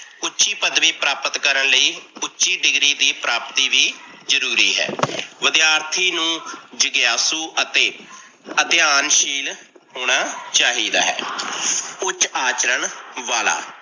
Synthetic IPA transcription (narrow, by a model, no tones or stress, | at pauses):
ʊtːʃiːpəd̪ʋiːpɾaːpət̪kəɾəɳləiːʊtːʃiːɖɪɡɾiːd̪iːpɾaːpt̪iːʋiː | zəɾuːɾiːɦɛ̰ːʋəd̪ɪjaːɾt̪ʰiːnũːd͡ʒəɡjaːsuːət̪eː | əd̪ɪjaːnʃiːl | ɦoːɽ̃aːt͡ʃaːɦiːd̪a̰ːɦɛ̰ː | ʊt͡ʃaːt͡ʃɾəɳʋaːla̰ː